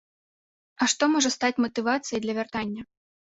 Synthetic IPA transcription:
ɐʂt̪ɔmɔʐɐst̪at͡sʲmɐt̪ɨvat̪sɨjɐd̪lʲɐvʲart̪anʲːɐ

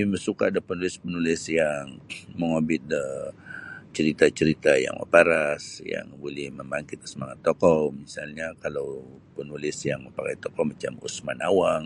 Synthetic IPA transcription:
ibəsukaːdapənulɪspənulɪsjaŋməŋobɪt̪̚ə | t͡ʃəɾit̪at͡ʃəɾit̪aja̰ŋə̰paɾasja̰ŋbolɛhməmbaŋkɪt̪̚kə̥səmaŋat̪ːokɔmisalɲakalawpənulɪsjaŋməmpaka̰jt̪ɔkɔmat͡ʃa̰mṵsmanawaŋ

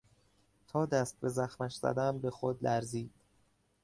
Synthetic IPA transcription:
t̪ʰɒːd̪æst̪̚be̞zæxmæʃz̥æ̰d̪æmbe̞xod̪læɾziːd̪̥

